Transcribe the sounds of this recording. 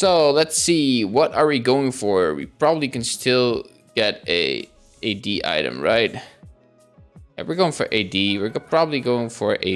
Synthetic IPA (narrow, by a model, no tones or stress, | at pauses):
soʊlətsiwʌɾə˞wiɡoʊɪ̃ŋfə˞wḭpʰɹ̥ɑbəblikɨ̃n̩stʰɪlˠ | ɡ̥ɛɾɨ̰ | eɪdiʔa̰ɪɾɨ̰̃mɹa̰ɪt̚ | wɨɹɡoʊɪ̃ŋfə̰˞ʔeɪdiwɪɹpʰɹ̥ɑbəbliɡoʊɪ̃ŋfə̰˞ʔḛɪ